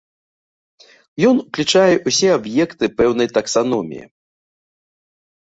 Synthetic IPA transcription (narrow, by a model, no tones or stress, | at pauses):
jɔnuklʲit͡ʂajɛʔusʲɛabjɛkt̪ɨpɛwnɐjt̪ɐksan̪ɔmʲḭjḭ